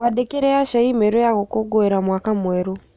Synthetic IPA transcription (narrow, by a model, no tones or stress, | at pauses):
wadekeɾeaʃaimeɾojaɣokoɡoeɾamwaːkamwɛɾo